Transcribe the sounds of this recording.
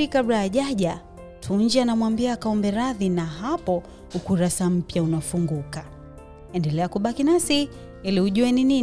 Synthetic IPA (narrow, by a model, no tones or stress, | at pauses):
ikabɾajaʄaʄa | tʰuɲd͡ʒanamwambiaːkaɔmbɛɾaðinaɦapɔ | hukuɾasam̩pjaunafuŋɡuka | ɛndɛlɛakuɓakinasi | ilihuʄuɛnini